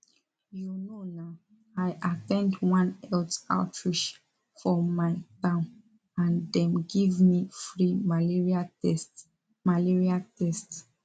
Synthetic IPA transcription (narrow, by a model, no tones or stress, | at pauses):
junonaʊ | ajʔatɛ̃ndwãnɛlta̰tʰɹiʃ | fɔ̃ːaɪtãʊ̃n | ãndɛ̃mɡivmifɹimaiɹiat | maliɹiatɛst